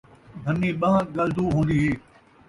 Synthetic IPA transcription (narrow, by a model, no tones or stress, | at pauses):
bʱənːiːɓɐãɡɐld̪uːɦõːnd̪iːɦeː